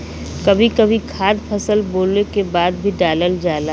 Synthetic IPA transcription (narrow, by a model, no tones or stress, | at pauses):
kɐbʱikɐbʱikʰaːd̪pʰɐsəlboːlnekebaːd̪bʱiɖaːləld͡ʒaːla